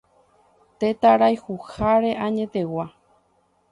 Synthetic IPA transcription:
t̪et̪aɾajhuhaɾe̞ʔãɲẽ̞t̪e̞wa

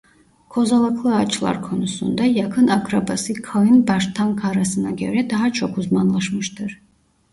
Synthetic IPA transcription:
kʰozalˠɯkʰlˠɯat͡ʃʰlˠa̰ɾkʰonusṵnd̪ajakʰɯnakʰɾabasɯkʰajɯnbaʃt̪ʰaŋkʰaɾasɯna̰ɡʲøɾɛd̪aɦat͡ʃʰɔkʰuzmanlˠaʃmɯʃt̪ɯɾ

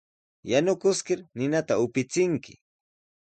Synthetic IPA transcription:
janʊkʊskɪɾnɪnat̪aʊpɪt͡sɪŋkɪ̥̰

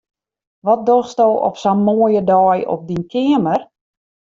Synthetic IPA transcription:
ʋɔt̚dosdowɔ̰psanmoəjədɔːjɔ̰p̚dinkʰɪəmər

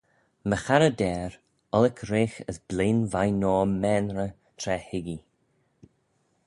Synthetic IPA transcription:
məxaɾədɛːɾ | ɔlɪkʰɾeːxəsb̥leːnvajnɔːmɛnɹə | t̪ʰɾɛhɪɡi

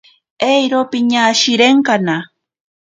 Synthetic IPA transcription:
ejɾopɪɲaʃɪɾeɴkana

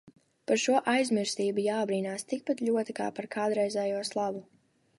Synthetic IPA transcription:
paɾʃuɔʔajzmiɾst̪iːbujaːbɾiːnaːst̪ik̚pat̪ʎʲuɔt̪ika̰ːpaɾkʰaːd̪ɾɛjzɛjuɔslˠabu

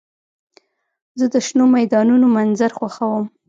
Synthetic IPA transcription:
zəd̪əʃnomajd̪ɑnunomanzaɾxwaxawəm

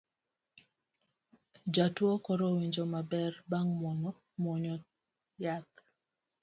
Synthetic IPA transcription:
d͡ʒatwɔkɔɾowiɲd͡ʒomabɛrbaŋmɔŋɔ | mɔɲɔ | jat̪̚

